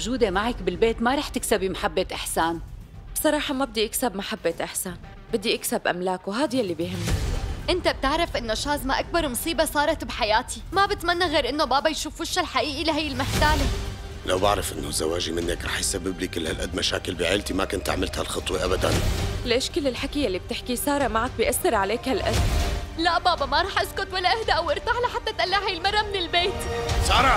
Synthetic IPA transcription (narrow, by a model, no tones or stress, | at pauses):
ʒuːd̪emaʕakbɪlbeːt̪maɾˤɑːħt̪ɪksabimaħabːet̪ʔɪħsaːn | bsˤɑɾˤɑːħɑmabɪd̪iʔɪksabmaħabːet̪ʔɪħsaːn | bɪd̪ːiʔɪksabʔa̰mlaːkuɦaːd̪jalːibjhɪmːaʔɪnt̪ab̚t̪ɪʕɾˤɪfʔɪnːoʃaːzmaʔak̚bɑɾˤmʊsˤiːbɑsˤɑːɾˤɑt̪bħajaːt̪imabɪt̪manːaɣeːɾʔɪnːobaːbajʃuːfʊʃːalħaʔiːʔilɪɦajːɪlmɪħt̪aːle | lʔa̰wbɪʕɾɪfʔɪnːo̰zːa̰waːʒimɪnːakɾˤɑ̰ːħjsabːɪblikɪlːha̰lʔad̪̚maʃa̰ːkɪlbiʕeːlt̪imakʊnt̪a̰ʕmɪlt̪ha̰lxɑt̪ˤwiʔabad̪a̰nlʔɪʃkɪlɪlħakijalːib̚t̪ɪħkisɑːɾˤɑmaʕak̚bɪjʔaθːɪɾʕaleːkhalʔa̰d̪laʔbaːbamaɾˤɑːħʔaskʊt̪walːaʔɪhd̪aʔawʔɪɾt̪aħlaħat̪ːat̪ʔalːahajːɪlmɑɾˤːamɪnɪlbeːt̪sˤɑːɾˤɑ